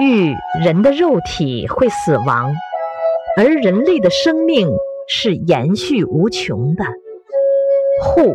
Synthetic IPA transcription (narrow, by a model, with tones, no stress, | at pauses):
y˥˩ɻə˧˥nd̪ə˧ɻo˥˩ʊt̪ʰḭ˨˩˦xwe˥˩ɪsɹ̩˨˩wɑ̰˧˥ŋ | ə˞˧˥ɻə˧˥nle˥˩ɪd̪ə˩ʂɤ˥ŋmi˥˩ŋ | ʂɻ̩˥˩jɛ̰˧˥nɕy˥˩u˧˥t͡ɕʰjʊ̰˧˥ŋd̪ə˧ | xu˥˩